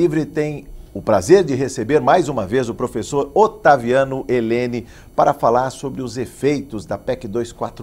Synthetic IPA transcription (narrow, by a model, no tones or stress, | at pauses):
ivɾɪt̪ẽj̃ʊpɾazeɾd͡ʒɪɦesebeɾmajzũmɐvezʊpɾofesoɾot̪aviɐ̃nʊʔelẽnɪ | paɾɐfalaɾsobɾɪʊzefejt̪ʊzd̪ɐpɛkɪd̪ojskwat̪ɾ